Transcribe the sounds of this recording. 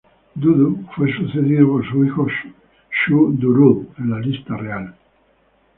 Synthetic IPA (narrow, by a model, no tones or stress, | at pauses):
d̪uðufwesuθeðiðopoɾsuixoʃ | ʃud̪uɾuðẽnlalist̪areal